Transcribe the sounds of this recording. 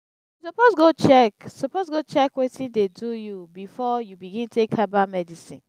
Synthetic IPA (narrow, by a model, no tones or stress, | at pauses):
usɔpozɡot͡ʃɛksɔpozɡot͡ʃɛkwetĩndedujubifɔjubiɡĩntʰekʰabamɛdisḭ̃n